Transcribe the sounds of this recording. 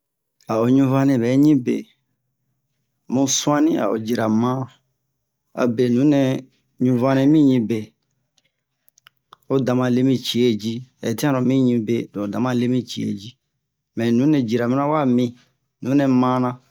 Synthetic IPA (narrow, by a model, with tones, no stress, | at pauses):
a˨o˨ɲũ˧vã˦nɛ̃˨bɛ˨˦ɲĩ˦bḛ˨ | mũ˨sũ˦ã˦nĩ˦a̰˨o̰˨d͡ʒi˨ɾa˨mã˦ | a̰˨be˨nũ˨˦nɛ̃˧ | ɲũ˦vã˦nɛ̃˧mĩ˦ɲĩ˧be˨ | o˦da˨mã˧le˦mĩ˦t͡ʃi˨e˦d͡ʒi˦ɛ̰˨ti˦ã˦ɾɔ̃˨mĩ˦ɲĩ˧˦be˨dɔ̃˨o˨dã˨mã˦le˦mĩ˦t͡ʃi˨ḛ˦˨d͡ʒi˦ | mɛ̃˨nũ˨˦nɛ̃˨d͡ʒi˨ɾa˨mĩ˦nã˦wa˦mĩ˧ | nũ˨˦nɛ̃˨mã˦nã˧